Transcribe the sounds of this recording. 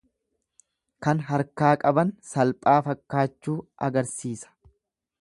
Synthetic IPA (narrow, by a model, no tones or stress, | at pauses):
kɐnɦɐɾkaːkʼɐbɐnsɐlpʼaːfɐkːaːt͡ʃːuːʔɐɡɐɾsiːsɐ̥